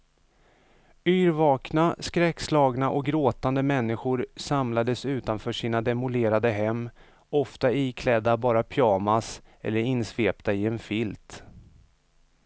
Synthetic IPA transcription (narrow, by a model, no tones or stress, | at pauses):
yːɾvɑːknaskɾɛkslɑːɡnaʔɔk̚ɡɾoːt̪and̪əmɛnːɪɧʊɾsamlad̪əsʉ̟ːt̪anfœːʂiːnad̪ɛmʊleːɾad̪əɦɛmː | ɔft̪aikʰlɛd̪ːabɑːɾapʰjɑːmasɛ̰lːəɾɪnsveːpt̪aɪɛnfɪlt̪